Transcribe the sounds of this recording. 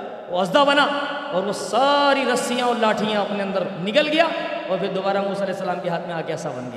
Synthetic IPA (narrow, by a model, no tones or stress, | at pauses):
ʋoɐzd̪abɐna | ɔːɾʋosaːɾiɾɐsijãɔːɾlaːʈʰijãɐpneɐ̃nd̪əɾnɪkəlɡɐjaɔːɾpʰɪɾd̪oːbaːɾamuːsaɐlɛːsːɐlaːmkeɦaːt̪ʰmẽaːkeɐsabɐ̰nɡɐja